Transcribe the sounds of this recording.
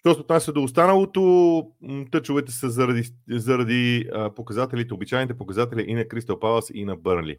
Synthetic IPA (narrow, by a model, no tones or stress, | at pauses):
ʃt̪ɔsɛot̪nasʲəd̪oːst̪anɐlˠot̪o | t̪ɤt͡ʃʊvɛt̪ɛsəzɐɾɐd̪izɐɾɐd̪iəpokɐzat̪ɛlʲit̪ɛobit͡ʃajnit̪̬ɛpokɐzat̪ɛlʲiʔinɐkɾist̪ɐpalˠəsḭnɐbəɾnlḭ